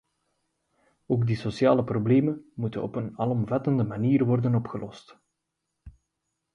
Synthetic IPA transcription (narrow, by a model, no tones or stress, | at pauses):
oːɡdisosjaːləprobleːmənmutənɔ̰pənɑlɔmvɑtəndəmaniːrʋɔrdənɔpxəlɔst